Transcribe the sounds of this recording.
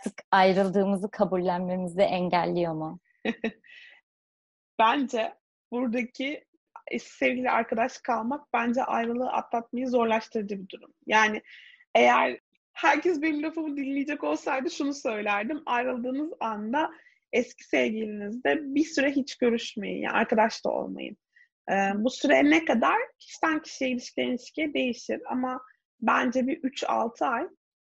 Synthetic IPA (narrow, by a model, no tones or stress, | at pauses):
t̪ʰɯkajɾɯlˠd̪ɯːmɯzɯkʰabulʲːænmemizd̪ɛʔɛɲɟælʲːijoma | b̥ænd͡ʒɛ | buɾd̪acʰi | ɛ̰̥sevɟilʲia̰ɾkad̪aʃkʰalˠmak̚b̥ænd͡ʒɛʔajɾɯlˠɯːʔa̰t̪lˠat̪̚majɯzo̞ɾlˠaʃt̪ʰɯɾd͡ʒɯbid̪uɾumjaːnɪ | ejæɾ̥ | hæɾcʰɛsbenimlofumud̪ilʲmʲijid͡ʒɛko̞lˠsajd̪ɯʃunusø̞jlʲæɾd̪imajɾɯlˠd̪ɯːnɯzand̪a | ɛscʰi̥sevɟilʲinizd̪ɛbisyɾɛɦit͡ʃɟø̞ɾyʃme̞̰jḭja̰a̰ɾkad̪aʃlˠa̰o̰lˠma̰jɯ̰n | ɛːbusyɾɛnɛkad̪aɾ̥cʰi̥ʃt̪ʰæncʰi̥ʃijɛilʲiʃcʲʰilʲɛilʲiʃcʰijɛd̪e̞jiʃiɾa̰ma | bænd͡ʒɛbiʔyt͡ʃa̰lˠt̪ʰɯaj